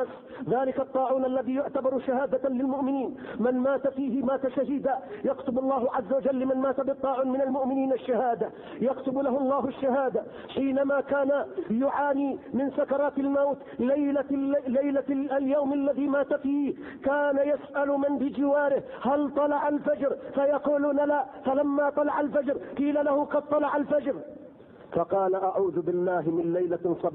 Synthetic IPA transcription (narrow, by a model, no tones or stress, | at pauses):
s | ðaːlɪkɑt̪ˤːɑːʕuːnʔalːaðiːjʊʕt̪abɑɾˤʃahaːd̪alɪlmʊʔmɪniːnmɪnmaːt̪afiːhɪmaːt̪aʃaɦɪd̪ajɑqt̪ʊbɑlˤːɑːhʕazːawad͡ʒalːɪmanmaːt̪abɨt̪ˤːɑːʕuːnmɪnalmʊʔmɪniːnaʃːahaːd̪a | jɑqt̪ʊblahʊɑlˤːɑːɦaʃːaɦaːd̪a | ħiːnamakaːnajʊʕaːniːmɪnsakɑɾˤɑːt̪almawt̪ | lajlaajlaaljawmalːaðiːmaːt̪afiː | kaːnajasʔalmanbɪd͡ʒɪwaːɾɪh | halt̪ˤɑlɑʕalfad͡ʒɾfajɑquːluːnalafalamːat̪ˤɑlɑʕalfad͡ʒɾqiːlalahʊqɑd̪̚t̪ˤɑlɑʕalfad͡ʒɾ | fɑqɑːlaʔaʕuːðʊbɪlːaːɦɪmɪnlajlasˤɑb